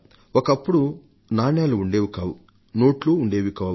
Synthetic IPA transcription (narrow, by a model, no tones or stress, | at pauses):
ɔkɐpːuɽu | naːnjaːluːɳɖe̞ːʋukaːwu | no̞ːʈloːuɳɖe̞ːʋikaː